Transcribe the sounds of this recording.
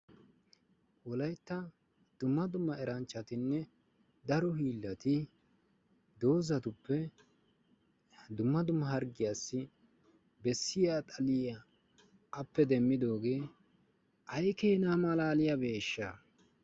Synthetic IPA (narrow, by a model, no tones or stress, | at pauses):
wɔlɐjt̪ːɐ | d̪̥ʊmːɐd̪ʊmːɐɛɾɐnt͡ʃːɐt̪ɪnːɛ | d̪ɐɾɔhiːlːɐt̪ɪ | d̪o̞ːzɐt̪ʊpːɛ | d̪ʊmːɐd̪ʊmːɐɦɐɾɡɪjasːɪ | bɛsːɪjaːt̪ʼɐlɪjɐː | pːɛd̪ɛmːɪd̪o̞ːɡe̞ː | ʔɐjkeːnaːmɐlaːlɪjabe̞ːʃːa